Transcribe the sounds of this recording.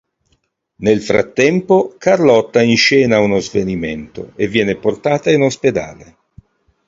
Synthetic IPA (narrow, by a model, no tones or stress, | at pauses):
nelfɾa̰t̪ːɛmpokarlɔt̪ːainʃɛːnaunozvenimɛnt̪o̰evːjɛːneport̪aːt̪ainosped̪a̰ːle